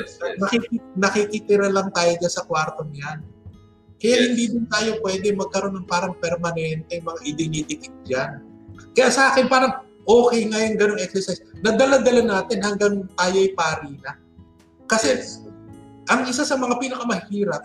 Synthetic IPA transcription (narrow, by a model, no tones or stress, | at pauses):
nɐkiknɐkikɪt̪ɪɾalaŋt̪aːjo̞d͡ʒansɐkwaɾt̪o̞ŋjan | kɐjaʔhɪnd̪id̪ɪnt̪aːjo̞pwɛːd̪ɛmɐɡ̚kɐɾo̞nːɐŋpaːɾɐŋpɛɾmɐnɛnt̪ɛjŋmɐŋaʔɪd̪ɪnit̪ɪt̪ɪɡ̚d͡ʒankɐjaʔsɐʔaːkɛnpaːɾɐŋ | ʔo̞ːkɛjŋajʊŋɡɐnoŋʔɛk̚sɛɹsajsnɐd̪ɐlad̪ɐlanaːt̪ɪnhɐŋɡaŋt̪aːjoʔɐjpaːɾiːna | kɐsɛ | ʔɐŋɪsasɐmɐŋapiːnɐkamɐhiːɾɐp̚